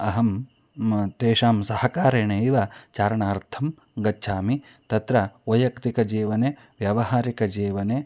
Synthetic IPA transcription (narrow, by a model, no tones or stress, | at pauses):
ɐɦɐm | t̪eːʃaːmsɐhɐkaːɾeːɳeːiʋɐt͡ʃaːɾɐɳaːɾt̪ʰɐm | ɡɐtːʃʰaːmi | t̪ɐt̪ɾɐojɐkt̪ikɐd͡ʒiːʋɐneː | ʋjɐʋɐɦaːɾikɐd͡ʒiːʋɐneː